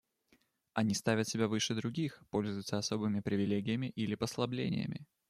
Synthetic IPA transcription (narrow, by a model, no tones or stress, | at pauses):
ɐnʲist̪avʲət̪sʲɪbʲavɨʂɨd̪ɾʊɡʲixpo̞lʲzʊjʊt̪səɐso̞bɨmʲɪpɾʲɪvʲɪlʲeɡʲɪjəmʲɪʔilʲɪpəslˠɐblʲḛnʲɪ̰jə̰mʲɪ̰